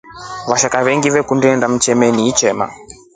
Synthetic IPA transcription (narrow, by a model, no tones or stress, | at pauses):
βaʃakaβɛŋɡivɛkundɛndam̩t͡ʃɛmɛniːt͡ʃɛma̰